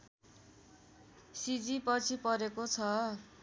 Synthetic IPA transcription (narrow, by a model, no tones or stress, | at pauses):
sid͡zipʌt͡sʰipʌɾekot͡sʰʌ